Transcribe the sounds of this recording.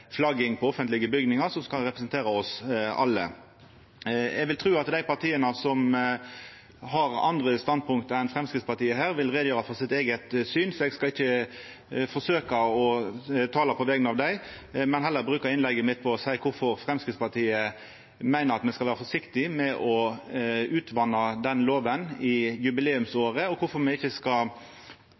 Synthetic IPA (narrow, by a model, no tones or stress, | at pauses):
flɑɡɪŋpʰɔɔfənt̪lɪɡəbʏɡnɪŋɑʁsɔmskɑlʁɛpɾəsənt̪eːʁɑɔsɑ̰lːə̰ | ɛ̰ɡʋɪlt̪ʰʁʉːɑt̪d̪æɪpɑʁt̪ʰiːənəsɔm | ɦɑʁɑ̰nd̪ʁəst̪ɑnd̪̚pʰʊŋk̚t̪əɛnfʁɛmskɾɪt̪spɑt̪iːəɦæːʁʋɪlʁeːd̪jøːɾɑfɔsɪt̪eːɡət̪syːnsɔɛɡskɑɪçːə | fɔʂøːkɑɔt̪ʰɑːlɑpʰɔʋɛɡənɑʋd̪æɪ | mɛnɦɛlːəɾbɾʉːkəɾɪnlɛɡːəmɪt̪̚pʰɔɔsæɪkʰʊɾfɔʁfʁɛmskɪt̪spɑt̪ʰiːə | mæɪnəɾɑt̪mɛskɑʋæːʁɾəfɔʂɪkt̪ɪmɛʔɔ | ʉːt̪ʰʋɑnːɑd̪ɛnloːʋənɪjʉbɪleːʉmsoːʁəɔkʰʊfɔmɛɪçːəskɑ